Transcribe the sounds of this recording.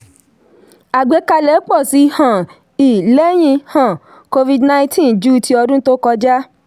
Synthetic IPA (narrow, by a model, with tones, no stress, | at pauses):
a˨ɡ͡be˨˦ka˧lɛ˨˦k͡pɔ˦˨si˨˦˧hã˨ | i˨lɛ˦j̃ĩ˧hã˨ | ko˧vi˧dna˧ĩ˦tʰĩ˦˨d͡ʒu˦˧tʰi˧ɔ˧dũ˦to˦kɔ˧d͡ʒa˦